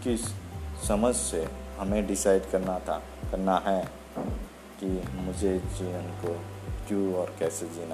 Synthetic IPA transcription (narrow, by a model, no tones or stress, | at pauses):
kɪsːəməd͡ʒsehɐmẽɖɪsaːɪɖkɐɾna | kɐɾnaɦɛ | kimʊd͡ʒʱed͡ʒiənko | kjũɔːɾkɛːsed͡ʒiːna